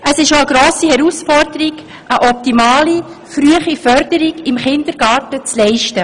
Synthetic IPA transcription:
əsɪʃoəɡɾoːsihɛɾusfɔɾdəɾiɡ | ʔəʔɔp̚timɑːli | fɾyəχifœɾdəɾiɡɪmχɪndəɾɡ̥ɑːɾtət͡slɛɪʃtə

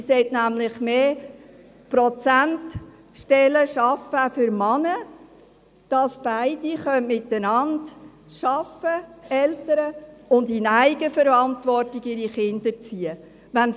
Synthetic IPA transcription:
sɛɪtnæmlɪχmeː | pɾɔt͡sænt | ʃtɛləʃɑfəfʏɾmɑnə | d̥ɑsb̥æɪd̥iχœnmɪtːənɑnd | ʃɑfəɛltəɾəʊndɪnæɪɡəfəɾɑntʋɔɾtiɡɪɾiχɪnd̥əɾt͡siə | ʋæn

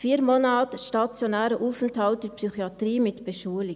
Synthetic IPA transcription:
fiːəɾmonaːtəʃtɑt͡sjonɛːɾəʔuːfɛnthɑlt̚d̥ɛpsyχiɑtriːmɪtb̥əʃuːlɪ

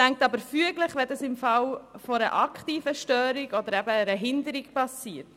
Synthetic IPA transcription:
tæŋk̚t̪ɑbəɾfyəɡləχʋɛdɑsɪmfɑwfoɾə̰ʔɑkχt̪iːfəʃtœːɾiɡɔd̪əɾɛbəɾəɦɪnd̪əɾikpɑsiːəɾt

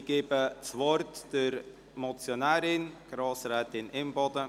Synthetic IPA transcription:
ɡ̥eːbət͡svɔɾtd̥əɾ | mɔt͡sjonɛːɾɪnɡ̥ɾɑːsɾɛːtɪnɪmbɔdə

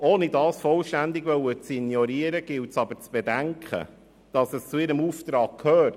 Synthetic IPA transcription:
ʔoːnidɑːsfɔlʃtænd̪ɪɡʋœwət͡sinjɔɾiəɾəɡ̥ɪltsɑb̥əɾt͡sb̥edæŋkʰχə̰ | d̥ɑsəst͡suɪɾəmuft̪ɾɑːkkʰhøːt

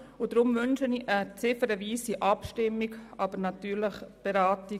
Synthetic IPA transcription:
ʊd̥ɾʊmvʏnʃəniʔət͡sɪfəɾəviːsiʔɑpʃtɪmːiɡʔɑb̥əɾnɑtyːɾləχb̥eɾaːti

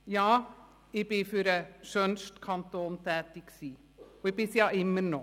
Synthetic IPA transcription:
jɑː | ɪbefyɾəʃœnst̪kʰɑnt̪oːnt̪ʰɛːt̪ɪksiː | ɔɪbɪsiɑʔɪməɾno

